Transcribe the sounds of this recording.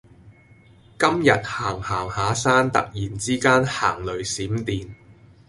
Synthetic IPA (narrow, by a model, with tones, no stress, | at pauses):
kɐ˥mjɐ˨t̚haː˨˩ŋhaː˨˩ŋhaː˨˥saː˥nt̪ɐ̰˨k̚jiː˨˩nt͡siː˥kaː˥nha̰ː˨˩ŋlɵ˨ɥsiː˨˥mt̪iː˨n